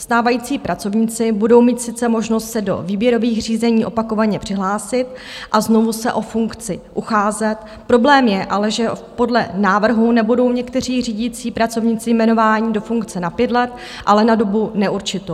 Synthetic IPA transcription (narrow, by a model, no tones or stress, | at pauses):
st̪aːvajiːt͡siːpɾʔat͡so̞vɲɪt͡sɪbudo̞wmiːt̪sɪt͡sɛmo̞ʒno̞st̪sɛdo̞̰viːbjɛɾo̞viːxr̝iːzɛɲiːʔo̞pako̞vaɲɛpr̥ɪɦlaːsɪt̪̚ | ʔaznovusɛʔo̞fuŋkt͡sɪʔuxaːzɛt̪ | pɾo̞blɛːmjɛʔalɛʒɛpo̞dlɛnaːvr̩ɦunɛbudo̞wɲɛkt̪ɛr̝iːriːɟiːt͡siːpɾat͡so̞vɲɪt͡sɪjmɛno̞vaːɲɪdo̞fuŋkt͡sɛnapjɛt̪lɛt̪ | ʔalɛnado̞bunɛʔuɾt͡ʃɪt̪o